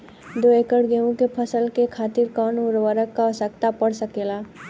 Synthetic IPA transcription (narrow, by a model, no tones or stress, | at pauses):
d̪oeːkəɽɡeũkepʰəsəlkekʰaːt̪ɪɾkɔːnʊɾʋəɾəkːaɔsəkt̪apəɽsəkeːlaː